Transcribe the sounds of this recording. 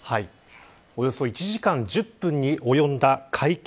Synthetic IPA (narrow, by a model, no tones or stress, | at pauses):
hai | o̞jo̞so̞it͡ɕiʑikãɲ̟d͡ʑɨpːɯ̟̃ɲ̟ːiʔo̞jõ̞nd̪akʰaik